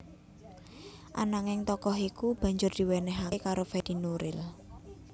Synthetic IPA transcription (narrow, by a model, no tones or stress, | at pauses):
ʔa̰naŋɪŋt̪ɔkɔɦikub̥ä̤ɲd͡ʒʊrd̪̥i̤wɛnɛɦakaɾofɛd̪̥i̤nuɾɪ̰l